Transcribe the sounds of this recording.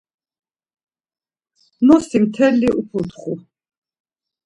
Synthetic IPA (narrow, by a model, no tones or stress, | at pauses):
nɔsimt̪ʰɛlːiʔupʰut̪χu